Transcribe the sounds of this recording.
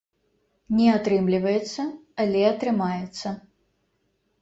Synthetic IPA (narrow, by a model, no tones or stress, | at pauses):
nʲɛat̪ɾɨmlʲivɐjɛt̪sːɐɐlʲɛɐt̪ɾɨmajɛt̪sːɐ